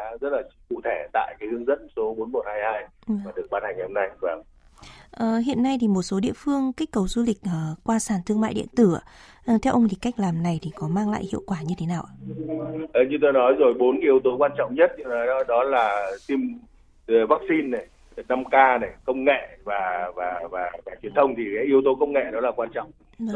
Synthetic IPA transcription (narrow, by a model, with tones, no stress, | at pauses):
aː˨˦zə˦˥t̚laː˨˩˧kṵ˧˨t̪ʰe˧˩t̪a̰ː˧˨jkaː˨˦jhɨ˨˦əŋzə̰˧˥nso˨˦ɓo˨˦nmo˨˩t̚haː˧jhaː˧jmaː˨˩ɗɨ˨˩ək̚ɓaː˧nha˨˩ŋː˨˩hə˧ŋ͡mna˧jvaː˨˩w | ʔəː˨˩hḭ˧˨ənːa˧jt̪ʰi˨˩mo˨˩t̚so˨˦ɗḭ˧əfɨ˧əŋka˦˥k̟̚kə˨˩wzu˧li˨˩k̟̚ʔəː˨˩kwaː˧saː˧˩nt̪ɨ˧əŋma̰ː˧˨jɗḭ˧˨ənt̪ɨ˧˩a˨˩ | ʔt̪ʰɛ˧wʔə˧wŋ͡mt̪i˨˩kːa˦˥jk̟̚laː˨˩mna˨˩jt̪ʰi˨˩kɔ˨˦maː˧ŋla̰ː˧˨jhḭ˧˨ə˨wkwaː˧˩ɲɨ˧t̪ʰe˨˦naː˨˩wʔaː˧˩ʔəː˨˩ɲɨ˧t̪o˧jnɔ˨˦jzo˨˩jɓo˨˦n˧ʔi˧əwt̪o˨˦kwaː˧nt͡ɕɔ̰˧˨wŋ͡mɲə˦˥t̚ɲɨ˧nɔ˨˦jɗɔ˨˦laː˨˩t̪i˧m˨ | vaː˦˥k̚si˧nːa˨˩j | na˧mkaː˧na˨˩jkə˧wŋ͡mŋḛ˧˨vaː˨˩vaː˨˩vaː˨˩vaː˨˩t͡ɕwi˨˩ənt̪ʰə˧wŋ͡mt̪ʰi˨˩kaː˨˦jʔi˧əwt̪o˨˦kə˧wŋ͡mŋḛ˧˨ɗɔ˨˦laː˨˩kwaː˧nt͡ɕɔ̰˧˨wŋ͡m